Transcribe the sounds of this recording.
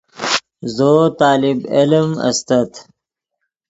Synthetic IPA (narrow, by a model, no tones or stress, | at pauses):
zoːt̪ɑːlɪbilmɐ̰st̪ɐt̪